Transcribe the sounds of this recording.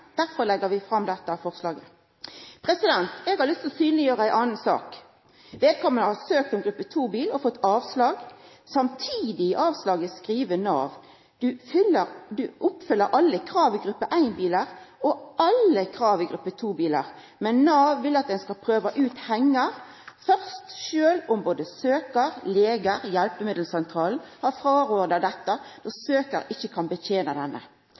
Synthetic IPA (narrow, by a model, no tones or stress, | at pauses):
d̪̥æʁfɔʁlɛɡːəʋɪfʁɑmd̪ɛt̪ːəfɔʁslɑːɡə | pʰʁɛsɪd̪ɛnt̪ɛːɡhɑʁlʏst̪ɔsyːnlɪjøːʁəæɪʔɑːnn̩sɑ̰ːk | ʋeːd̪̚kʰɔmːənəhɑsøːkt̪ɔmɡɾʉpːət̪ʰuːbiːləɔfɔt̪ːɑːʋslɑːɡ | sɑmt̪ʰiːd̪ɪɪʔɑːʋslɑːɡəskʁiːʋənɑ̰ːʋ | d̪̥ʉfʏləʁd̪ʉʔʊpfʏlːəɾʔɑlːəkʰɾɑːʋɪɡɾʉpːəʔæɪnbiːləʁɔʔɑlːəkʰʁɑːʋɪɡɾʉpːət̪ʰuːbiːlə̰ʁ | mɛnːɑːʋːɪlɑt̪̚d̪ɛnskɑlpʰɾøːʋɑʔʉːt̪hɛŋːəʁ | fœʁst̪ʃøːlʊmboːd̪əsøːkəʁleːɡəʁjɛlpəmɪd̪l̩sɛnt̪ʰɾɑːln̩hɑfʁɑːɾoːd̪əd̪ɛt̪ːɑd̪ɔsøːkəɾɪçːəkʰɑnbət̪ʰeːnɑd̪ɛnːə̰